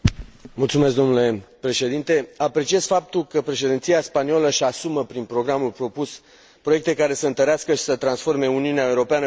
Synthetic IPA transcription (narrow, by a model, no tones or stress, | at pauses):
mult̪sumesk̚d̪o̞nule̞pɾe̞ʃe̞d̪int̪e̞apɾe̞t͡ʃie̞z̥fap̚t̪ulkəpɾe̞ʃe̞d̪int̪sijaspanioləʃasuməpɾinpɾo̞ɡɾamulpɾo̞pus | pɾo̞je̞k̚t̪e̞kaɾe̞səɨnt̪əɾeaskəʃi̥sət̪ɾansfo̞rme̞uniuneaeuɾo̞peanə